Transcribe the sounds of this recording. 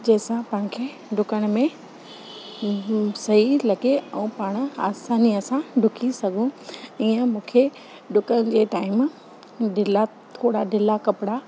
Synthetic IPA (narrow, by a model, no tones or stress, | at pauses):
d͡ʑɐːsãpãːɪ̃kʰeː | ɖʊkəɽ̃̆mẽ | sɐɦilɐɡeɛ̃ũpaːɽ̃̆aːsaːniɐsãɖʱʊkʰisɐɡʱũiə̃mũːkʰe | ɖʊkəɽ̃d͡ʑeːʈaːɪm | ɖɪla | t̪ʰoːɽaɖɪlakɐpɪɽa